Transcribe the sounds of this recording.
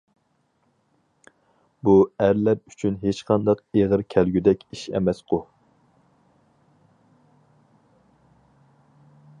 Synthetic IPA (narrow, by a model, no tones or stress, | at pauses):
buæɾlæɾyt͡ʃʰynɦet͡ʃqʰɑnd̪ɑqeʁəɾkʲʰɛlɡʲyd̪ɛkʲiʃɛ̰mɛsqʰʊ